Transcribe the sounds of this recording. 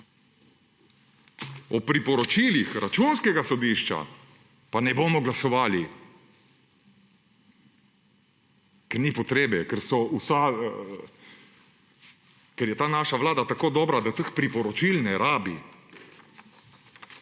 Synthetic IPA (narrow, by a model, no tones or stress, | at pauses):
ɔpɾipɔɾɔt͡ʃilixɾat͡ʃunskɛɡasɔd̪iːʃt͡ʃa̰ | panɛboːmɔɡlasɔʋaːli | kɛɾnipɔt̪ɾeːbɛkɛɾsɔusa | kɛɾjɛt̪aːnaːʃaʋlaːd̪at̪akoːd̪ɔːbɾad̪at̪əxpɾipɔɾɔt͡ʃilnɛɾaːbi